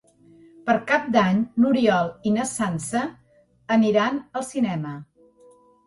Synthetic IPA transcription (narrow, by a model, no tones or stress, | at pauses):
pəɾkap̚d̪aɲnuɾiɔlˠinəsansəː | niɾanəlˠsinɛmə